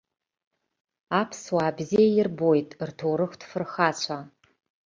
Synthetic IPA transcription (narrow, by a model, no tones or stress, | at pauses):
aːpʰswaːbziejɪrbojtʼrtʰowɾɨxʷtfɨrxaːt͡ɕʷʰa